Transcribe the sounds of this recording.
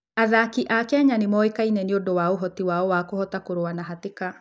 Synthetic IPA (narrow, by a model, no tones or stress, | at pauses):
aðakiʔakɛɲanemɔekainɛneondowaoɦɔtiwaɔwakohɔtakoɾoanaɦateka